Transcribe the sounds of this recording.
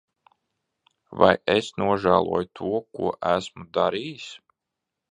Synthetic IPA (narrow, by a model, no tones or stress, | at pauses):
va̰jesnuɔʒæːlˠṵɔjut̪ʰuɔkṵɔʔæsmud̪aɾiːjis